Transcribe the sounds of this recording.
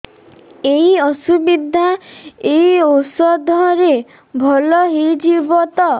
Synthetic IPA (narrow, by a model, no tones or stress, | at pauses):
eiɔsubid̪ʱaeiosɔd̪ʱɔɾe | bʱɔlɔɦed͡ʒibɔt̪ɔ